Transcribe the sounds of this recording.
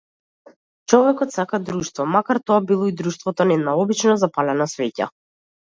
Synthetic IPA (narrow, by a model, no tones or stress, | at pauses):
t͡ʃɔvɛkɔt̪sakad̪ɾuʃt̪vɔmakaɾt̪ɔabilˠɔid̪ɾuʃt̪vɔt̪ɔnɛd̪naɔbit͡ʃnɔzapalɛnasvɛca̰